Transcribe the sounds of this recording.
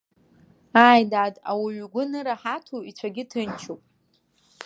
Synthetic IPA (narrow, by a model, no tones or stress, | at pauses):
aːjdaːda̰wiɥɡʷʊnɨɾaħatʰuit͡sʷʰaɡʲɪtʰɨnt͡ʃʰopʼ